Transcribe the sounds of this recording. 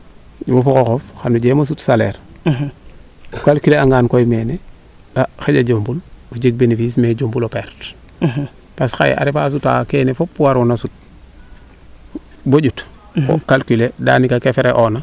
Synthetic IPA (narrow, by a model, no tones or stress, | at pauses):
wofukoxofxanuɟemos̬utsalḛɾ | ukalkileaŋɡaːnkojmeːne | daxeɟaɟombuluɟeɡ̚benefiːsmeɟombulopeɾt | pasxa̰j̰a̰ɾefas̬uta̰keːnefopːuwaɾunasut̚ | boɟut | ko̰kalkileda̰ːnikakefeɾeʔona